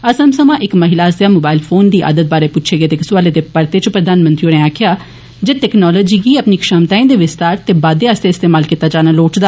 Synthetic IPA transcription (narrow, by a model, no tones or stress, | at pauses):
əsəmsəmãːʔɪkməɦɪlaːəst̪ejaːmoːbaːɪlpʰoːnd̪iːʔa̰ːd̪ət̪̚baːɾeːpʊʃʰeːɡeːt̪eːksʊʋaːled̪eːpəɾt̪eːt͡ʃpɾəd̪aːnmə̃nt̪ɾioneːaːkʰjaː | d͡ʒeʈɛknɔːlɔːd͡ʒiːɡiːəpniːkʃamt̪aːĩd̪eːʋɪst̪aːɾt̪eːbaːd̪eaəst̪eːɪst̪eːmaːlkit̪ːaːd͡ʒaːnaloːʈd̪aː